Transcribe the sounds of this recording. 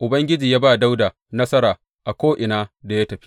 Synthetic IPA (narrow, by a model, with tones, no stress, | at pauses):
ʔʊ˨bɐ˦ŋɡʲɪ˦d͡ʒiː˨jaː˦baː˦˨da˦wdaː˨ | nɐ˦sɐ˦ɾaː˨ | ʔa˨kʷoː˦ʔɪ˨naː˦da˨ja˦tɐ˨ɸi̥˦